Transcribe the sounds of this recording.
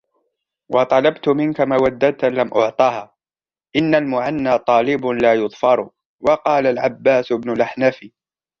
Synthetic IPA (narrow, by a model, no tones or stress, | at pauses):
wʔɑt̪ˤɑlɑbt̪ʊmɪnkamawad̪ːat̪lamʔʊʕt̪ˤɑːhaː | ʔɪnːalmʊʕanːaːt̪ˤɑːlɪbʊlaːjʊðˤfɑɾˤ | wɑqɑːlalʕabːaːsbnʊlʔaħnafi